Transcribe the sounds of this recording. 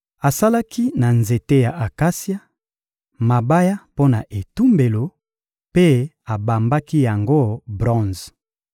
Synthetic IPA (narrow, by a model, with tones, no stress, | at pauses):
a˨sa˦la˦ki˦na˨nze˨te˦ja˨ʔa˨ka˦sja˦ | ma˨ba˦ja˦po˦na˨ʔe˨tu˦mbe˨lo˨ | pe˦ | a˨ba˨mba˦ki˦ja˨ŋɡo˦bʁɔ̃˦˨z